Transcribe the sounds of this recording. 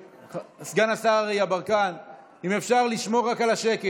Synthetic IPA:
sɡanasaaʁejabaʁkan | imefʃaʁliʃmo̞ʁːakalaʃe̞ke

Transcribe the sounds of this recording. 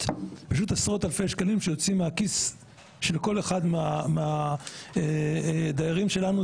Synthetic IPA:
paʃ̬ut̪asʁo̞t̪alfejʃkalimʃejo̞t͡simeakis | ʃelko̞leχad̪meameaed̪ajaʁimʃe̞lanu

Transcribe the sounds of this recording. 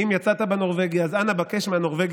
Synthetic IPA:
imjat͡sat̪abeno̞ʁve̞ɡjaːzanabake̞ʃmeano̞ʁve̞ɡ

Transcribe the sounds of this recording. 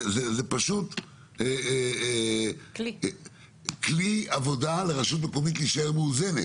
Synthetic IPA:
zezepaʃut̪ | e | kliavo̞d̪aleʁaʃut̪̬mekomit̪liiʃaeʁmeuzenḛt

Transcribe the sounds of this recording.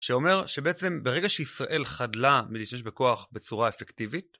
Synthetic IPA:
ʃeo̞me̞ʁʃe̞be̞ʔet͡se̞mbeʁeɡaʃeisʁaʔe̞lχadlamiliʃtameʃ̬beko̞aχbe̞t͡suʁaefektivit̚

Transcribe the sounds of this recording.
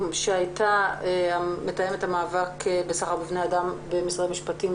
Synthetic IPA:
ʃeajtaeametajemethamaːvakbesaχaʁbivnejadambemisʁamiʃpatim

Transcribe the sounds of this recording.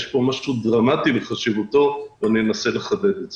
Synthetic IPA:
jeʃpo̞maʃud̪ʁamat̪ileχaʃivut̪o̞vanienase̞le̞χade̞d̪edz

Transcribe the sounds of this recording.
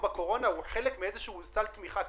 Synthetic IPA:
bekoʁonawexeːlekmɪʔezeʃusælt̪miːxa

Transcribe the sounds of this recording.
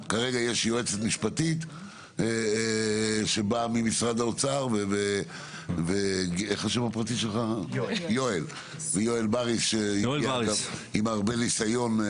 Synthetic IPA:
kaʁe̞ɡajeʃjoet͡set̪miʃpat̪it̪ | ʃe̞bamimisʁad̪aot͡saʁveve | veɡeχhaʃevapʁat̪iʃelχajoel | vejoelbaʁiseiɡaimaʁbe̞nisajo̞n

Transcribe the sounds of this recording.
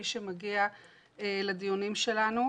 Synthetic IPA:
iʃemaɡia | eled̪ijonimʃe̞lanu

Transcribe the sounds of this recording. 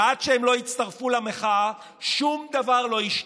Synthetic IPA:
adʃeemlo̞jit͡st̪aʁfulameχa | ʃumd̪avaʁlo̞jiʃ

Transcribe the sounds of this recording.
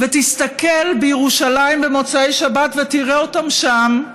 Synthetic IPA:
vet̪ist̪ake̞lbejeʁuʃalaimbemo̞t͡saejʃabat̪vet̪iʁeo̞tamʃam

